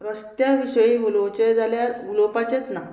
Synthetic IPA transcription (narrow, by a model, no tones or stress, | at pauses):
ɾəst̪jaʋiɕəjiːʋulot͡ɕejd͡zʱaljaulopat͡ɕet͡sna